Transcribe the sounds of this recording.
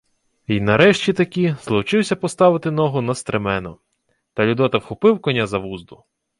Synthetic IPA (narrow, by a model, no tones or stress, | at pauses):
inɐɾɛʃt͡ʃʲit̪ɐkʲizlˠɔwt͡ʃɪwsʲɐpɔst̪ɑʋɪt̪ɪnɔɦʊnɐst̪ɾemɛnɔ | t̪ɐlʲʊd̪ɔt̪ɐwxʊpɪwkɔnʲazɐʋuzd̪ʊ